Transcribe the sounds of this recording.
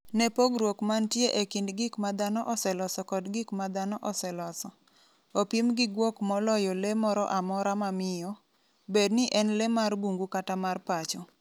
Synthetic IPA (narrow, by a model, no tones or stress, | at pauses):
nɛpoɡɾwokmantjeʔekindɡɪkmad̪anɔʔɔsɛlɔsɔkɔdɡɪkmad̪anɔʔɔsɛlɔsɔ | opimɡɪɡwɔkmɔlɔjɔlemɔɾɔ̰ʔamɔɾamamɪjɔ | bednɪʔɛnlɛmarbuŋɡukatamarpat͡ʃɔ